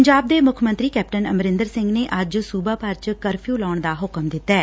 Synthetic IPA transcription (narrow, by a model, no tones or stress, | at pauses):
ɲd͡ʒaːb̚d̪eːmʊkʰmə̃nt̪ɾiːkɛːp̚ʈənəmɾɪ̃nd̪əɾsɪ̃ŋɡneːʔəd͡ʒsuːbaːpəɾt͡ʃkəɾpʰijuːlɔːɳd̪aːɦʊkəmd̪ɪt̪ːɛː